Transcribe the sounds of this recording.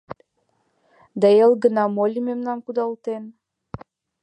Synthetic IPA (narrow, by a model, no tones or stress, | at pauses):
d̪ɑjelɡənɑmolʲimemnɑnkud̪ɑlˠt̪en